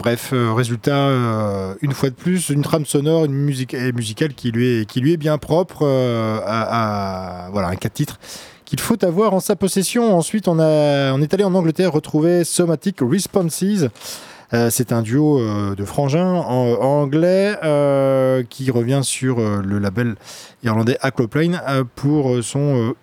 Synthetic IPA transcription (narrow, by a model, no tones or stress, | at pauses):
b̥ʁɛføʁezylt̪aøynfwad̪əplysynt̪χamsɔnɔʁynmyzikemyzikʲalkʲilɥiɛkʲilɥiɛbjɛ̃pχɔpχøaavwala̰ɛ̰̃katt̪ːit̪χ | kʲilfot̪avwaʁɑ̃sapɔsesjɔ̃ɑ̃sɥit̪ɔ̃naɑ̃net̪aliɑ̃nɑ̃ɡlət̪ɛʁːət̪χuvesɔmat̪ikʁispɑ̃nsiz | sɛt̪ɛ̃d̪yoød̪əfχɑ̃ʒɛ̃ɑ̃ɡlɛøkʲʰiʁəvjɛ̃syʁøləlabɛl | iʁlɑ̃d̪ɛʔakloplajnpʰuʁøsɔ̃ø